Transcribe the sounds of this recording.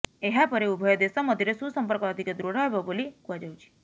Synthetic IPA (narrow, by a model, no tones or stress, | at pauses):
eɦapəɾeubʱəjɔd̪esɔməd̪ʱiɾesũːsəmpəɾkad̪ʱiked̪ɾoɽabɔbolikuʋad͡ʒəwt͡ʃʰi̥